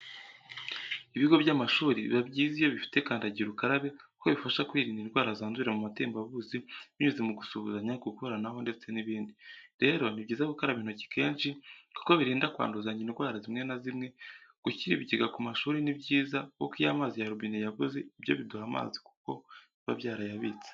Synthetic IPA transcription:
iβiɡo̞βjaːmaʃuːɾḭβabɟiːzijo̞βifi̥te̞kaːndaɟiɾukaɾaβe̞uko̞βifaʃakwiːɾiːndiɾɡwaːɾazaːnzuɾemumate̞ːmbaβuziβiɲuzemuɡusuβuzaɲakukoɾanaɦo̞nde̞t͡se̞niβiːndiɾe̞ɾo̞nibɟiːzakukaɾaβiːn̥uci̥kʰe̞ːnʃiku̥ko̞βiɾiːndakwa̰ːnduzaɲɟiniɾɡwaːɾazimŋe̞nazimŋe̞ɡ̥uciɾiβiɟiɡakumaʃuːɾinibɟiːzako̰kijamaːzijaɾubiːnijaβuzeibjo̞̰βiduhama̰ːziku̥ko̞̰ | βa̰βjaːɾajaβit͡se̥

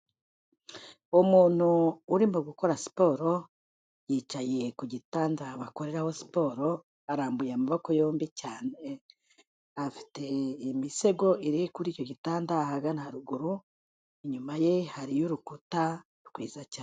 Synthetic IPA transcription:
umuːn̥huːɾimoɡuko̞ɾasi̥po̞ɾo̞ | jiːt͡ʃaje̞kuɟitaːndaβako̞ɾe̞ɾaho̞si̥po̞ɾo̞ | aɾaːmbujamaβoko̞jo̞ːmbicaːne | afi̥te̞imise̞ɡo̞ʔiɾikuɾiːco̞ɟitaːndahaɡanahaɾuɡuɾu | iɲumaje̞haɾijuɾukutḁ | kwḭːzacaːn

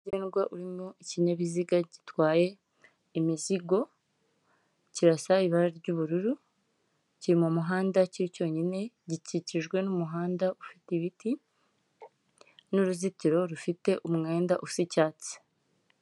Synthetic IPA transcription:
ɟeːnɡwaʔuɾimmoiciɲaβiziɡaɟitwaːje̞ | imiziɡo̞ | ciɾasaiβaɾaɾɟuβuɾuɾu | ciɾimumuɦaːndaciɾico̞ːɲine̞ | ɟiciciʒɡwe̞numuɦaːndaʔufitiβiti | nuɾuzitiɾo̞ɾufite̞ʔumŋe̞ːndaʔufsicaːt͡si̥

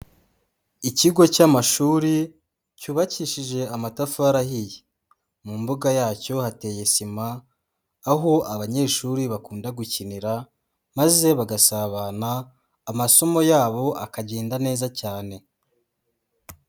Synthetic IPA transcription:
iciɡo̞camaʃuːɾi | cuːβaciʃiʒe̞amatafuaɾahije | mumbuɡajaːco̞hate̞ːjesimaː | ɦo̞ʔaβaɲe̞ːʃuːɾiβakuːndaɡuciniɾa | maze̞βaɡasaβanaː | maso̞mo̞jaːβo̞akaɟe̞ːndane̞ːzacaːne̞

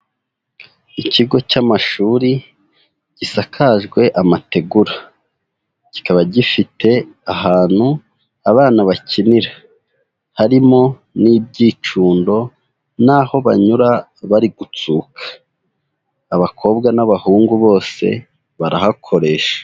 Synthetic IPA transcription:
icʰiɡo̞camaʃuːɾi | ɟ̥isakʰaʒɡwe̞ʔamate̞ɡuɾa | ɟ̥i̥kaβaɟifitʰe̞aɦaːn̥hu | aβaːnaβacʰiniɾa | haɾimo̞ | niːb̚ɟiːt͡ʃuːndo̞ | naːho̞βa̰ɲuɾa | βaɾiɡut͡suːkʰḁ | βakʰo̞ːb̚ɡanaβahuːŋɡuβo̞ːse̞̰ | βaɾahakʰo̞ɾe̞ːʃḁ

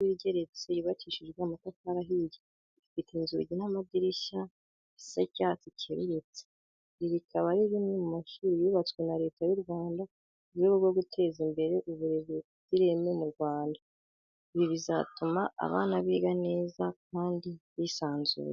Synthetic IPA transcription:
wiɾɟeɾe̞t͡sejiβat͡ʃiʃid͡ʒɡwamatakaɾaɦiɟi | ifiteinzṵɟinamadiɾiʃa | isacaːt͡sicʰeβḭɾet͡se̥ | iβikʰaβaɾiβimemumaʃuːɾijiːβat͡swenaɾe̞ːtajuɾɡwaːnda | uβjoβuβɡo̞ɡutʰe̞ːzimbe̞ɾe̞ʔuβuɾe̞βe | ziɾe̞memuɾɡwaːnda | iβiβiza̰tuma̰ːβa̰ːnaβiːɡane̞ːzakaːndiβisaːnzṵːɾe

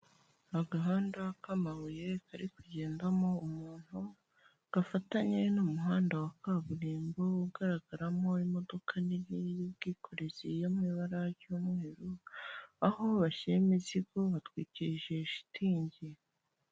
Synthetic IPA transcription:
aɡaɦaːndakamawuje̞kʰaɾikuɟe̞ːndamo̞umuːn̥hu | ɡ̥afataɲe̞numuɦaːndawakaβuɾiːmbo̞uɡaɾaɡaɾamo̞imo̞do̞kʰaniijibɡiːkʰo̞ɾezijomŋiːβaɾaɾɟuːmŋe̞ːɾu | aho̞βaʃeimiziɡo̞βatwiːciʒe̞ʃi̥tʰiːɲɟe

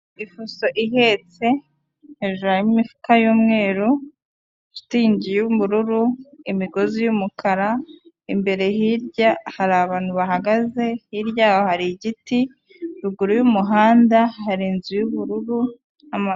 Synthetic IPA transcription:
ifuso̞ʔiɦe̞t͡se̞ | heʒuɾajmimifu̥kajuːmŋe̞ːɾu | ʃu̥tiːɲɟijuβuɾuɾuimiɡo̞zijumukʰaɾa | imbe̞ɾe̞ɦiɾɟahaɾaːβaːn̥huβaɦaɡaze̞hiɾɟaːwohaɾiɟiti | ɾuɡuɾujumuɦaːndahaɾiːnzujuβuɾuɾu | ama

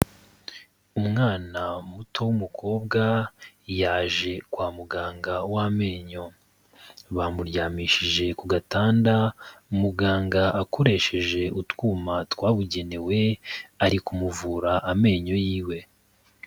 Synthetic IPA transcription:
umŋaːnamutʰo̞wumukʰo̞ːbɡajaːʒe̞kwaːmuɡaːŋɡawame̞ːɲo̞ | βamuɾjaːmiːʃiʒe̞kuɡataːndaumuɡaːŋɡaʔako̞ɾe̞ʃe̞ʒe̞utwuːmatwaːβuɟe̞ne̞we̞aɾikumuvuːɾaʔame̞ːɲo̞jiːwe̞

